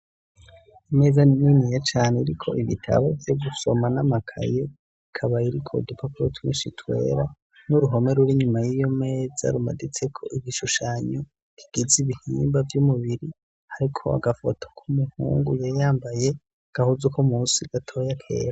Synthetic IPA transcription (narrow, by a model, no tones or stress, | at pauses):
ime̞ːzaninijat͡ʃaːneiɾikʰo̞ʔiβitʰa̰βovjoɡuso̞manamakʰa̰je̞ | ikʰaβaiɾikʰo̞dipʰakuɾotʰunḭʃitʰwe̞̰ɾa | nuɾuɦo̞me̞ɾuɾiɲumajijo̞meːza̰ɾuma̰dit͡se̞kʰo̞ʔiβiʃuʃaːɲo | iɡ̥iziβihiːmbavjumuβiɾi | haɾikʰo̞̰a̰ɡafotʰo̥kʰumuhṵːŋɡujejaːmbaje̞ | ɡ̥ahuzukʰomuːsiɡ̥atʰo̞jakʰe̞̰ːɾa